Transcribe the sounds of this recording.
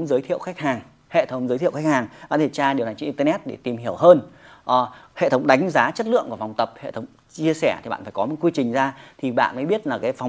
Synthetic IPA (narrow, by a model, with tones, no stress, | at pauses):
ŋ͡mzəː˨˦jt̪ʰḭ˧˨əwxa˦˥k̚haː˨˩ŋ | hḛ˧˨t̪ʰə˨˦wŋ͡mzə˨˦t̪ʰi˧˨wxa˦˥k̚haː˨˩ŋɓa̰ː˧˨nt̪ʰe˧˩jt͡ɕaː˧ɗwna˨˩jt͡ɕi˧˨ʔt̪ə˧nɛ˦˥t̚ɗe˧˩t̪i˨˩mhi˧˩əwɦəː˧nʔhḛ˧˨t̪ʰə˨˦wŋ͡mɗa˨˦jŋ̟zaː˨˦t͡ɕə˦˥t̚lɨ̰˧əŋku˧˩fa˨˩wŋ͡mt̪ə˨˩p̚hḛ˧˨t̪ʰə˨˦wŋ͡m | t͡ɕi˧əsɛ˧˩t̪i˨˩ɓa̰ː˧˨nfaː˧˩kɔ˨˦m˨˩t̚kwi˧t͡ɕï˨˩ŋ̟zaː˧t̪ʰi˨˩ɓa̰ː˧˨nməː˨˦ɓi˦˥ət̚laː˨˩kaː˨˦jfa˨˩wŋ͡m